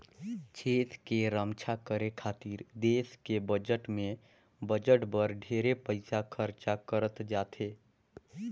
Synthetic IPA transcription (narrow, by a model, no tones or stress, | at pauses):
t͡ʃʰeːt̪ʰkeɾəmt͡ʃʰakəɾekʰaːt̪iːɾd̪eːskebəd͡ʒəʈmẽ | bəd͡ʒəʈbəɾɖʱeːɾepəɪsakʰəɾt͡ʃakəɾət̪d͡ʒaːt̪ʰeː